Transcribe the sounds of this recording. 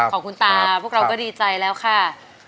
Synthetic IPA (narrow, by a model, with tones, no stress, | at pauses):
ɔː˩˦kʰu˧nt̪aː˧pʰu˥˩kɾa˧wkɔː˥˩diː˧t͡ɕa˧jlɛː˦˥wkʰa˥˩